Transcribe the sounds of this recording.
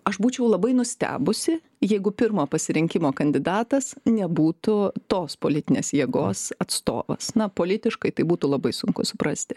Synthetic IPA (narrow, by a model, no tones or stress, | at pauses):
ɐʃbuːt͡ʃʲɛʊlˠɐbɐɪnʊsʲt̪ʲæ̰ːbʊsʲɪ | jɛɪɡʊpʲɪɾmoːpɐsʲɪɾʲɪŋʲkʲɪmoːkɐnʲd̪ʲɪd̪ɑːt̪ɐsnʲɛbuːt̪ʊt̪oːspoːlʲɪt̪ʲɪnʲeːsjiɛɡoːsɐt̪st̪o̰ːʋɐ̰snɐpoːlʲɪt̪ʲɪʃkɐɪt̪ɐɪbuːt̪uːlˠɐbɐɪsʊŋkʊsʊpɾɐsʲt̪ʲɪ